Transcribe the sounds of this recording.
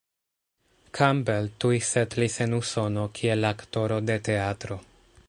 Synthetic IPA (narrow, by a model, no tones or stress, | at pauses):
kʰambeltujsetlise̞nuso̞no̞kʰie̞lakto̞ɾo̞de̞te̞atɾo̞